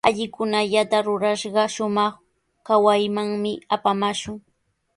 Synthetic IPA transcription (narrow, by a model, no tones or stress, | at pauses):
aʎɪkʊnaʎat̪aɾʊɾaʃɢɑʃʊmɑχ | kawajmaŋmɪapamaʃʊŋ